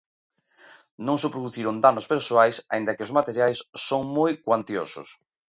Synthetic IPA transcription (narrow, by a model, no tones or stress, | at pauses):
nõŋsepɾoðuθiɾond̪anospeɾsoajsa̰ind̪ɐkɪozmat̪eɾjajsːoŋmojkwant̪eo̰sʊ̰s